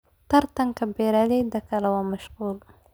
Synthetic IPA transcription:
t̪aɾt̪aŋkabeɾalid̪akalawamaʃɣul

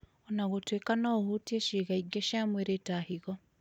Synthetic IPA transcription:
ɔnaɣotwekanaohotieʃiɣaiɡeʃamweɾetahiɣɔ

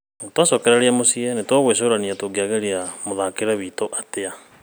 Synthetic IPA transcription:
twasɔːkɛɾaɾeamosiɛnetwɔɣweʃ̬oːɾaniatoɡiaɣeɾiamoðakeɾɛβitoʔatea

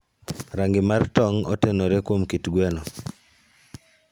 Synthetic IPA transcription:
ɾaŋɡɪmartɔŋɔ̰tenoɾekwomkitɡweno

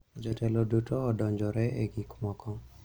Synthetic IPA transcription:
d͡ʒɔtɛlodutoːdɔɲd͡ʒɔɾɛʔḛɡikmɔkɔ

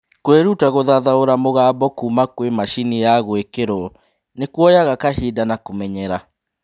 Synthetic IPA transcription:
kweɾutaɣoðaðaoɾamoɣabɔkuːmakwemaʃinijaɣwekeɾɔ | nekwɔjaɣakahidanakomɛɲɛɾa

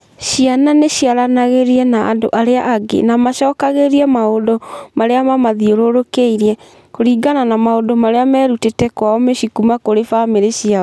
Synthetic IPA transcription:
ɕiananeɕiaɾanaɣeɾiɛnaaːndo̰ʔaɾeaʔaɡḛnamaʃɔːkaɣeɾiɛmaodɔmaɾeamamaðioɾoɾokeiɾiɛ | koɾiːɡananamaodɔmaɾeamɛɾutetɛkwaɔmeɕikumakoɾefaːmeɾeɕia

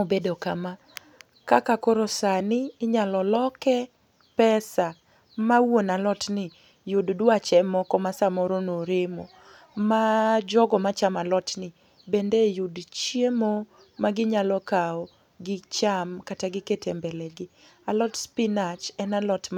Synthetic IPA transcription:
obedokama | kakakoɾosanɪːɲalɔlɔkɛ | pɛsa | mawonalɔtnɪ | jʊddwat͡ʃɛmɔkɔmasamɔɾonoɾemo̰ | mad͡ʒɔɡɔmat͡ʃamalɔtnɪ | bendejʊdt͡ʃjemo | maɡɪɲalɔkaɔ | ɡɪt͡ʃamkataɡɪketʰembɛlɛɡɪ | alɔtspinat͡ʃɛnalɔt

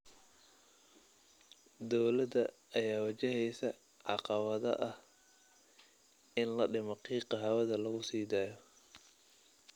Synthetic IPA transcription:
d̪ɔwlɐd̪ɐː | jaːwɐt͡ʃɪɦɛjsɐ | ʕɑqɑβɐðɐ̰ʔɐh | ɪnlɐɖɪmɔqiːqɑɦɐwɐðɐlɐɣʊsiːd̪aːjɔ

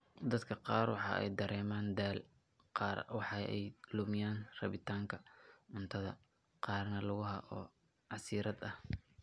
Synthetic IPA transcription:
d̪ɐd̪kʰɐqɑːrwɑħɑ̰ːʔɛ̰jd̪ɐɾʔɛːmaːnd̪aːl | wɑħɑːɛ̰jlʊːmɪjaːnrɐβɪt̪ʰaːŋkʰɐʊnt̪ʰɐðɐ̰ | qɑːrnɐlʊɣʊɦɐʔɔː | ʕɑsiːɾɐd̪ɐh

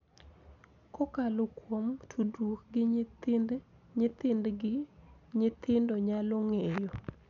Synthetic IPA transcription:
kɔkalokwomtʰudukɡɪ | ɲɪt̪ɪndɡɪɲɪt̪ɪndɔɲaloŋejo

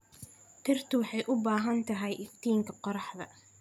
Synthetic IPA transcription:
t̪ʰɪrt̪ʰɪwɑħɛjʔʊbaːɦɐnt̪ʰɐɦɛjʔɪft̪ʰiːŋkʰɐqɔɾɑħðɐ̰

